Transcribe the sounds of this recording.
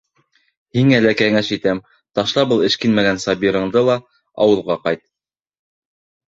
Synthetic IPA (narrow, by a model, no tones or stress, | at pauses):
hiŋælækæŋæʃit̪æm | t̪ɑʃlˠɑbɤlˠɘ̆ʃkinmæɡænsɑbiɾɤ̆ɴd̪ɤlˠɑ | ɑ̰wɤ̆lˠʁɑqɑjt̪̚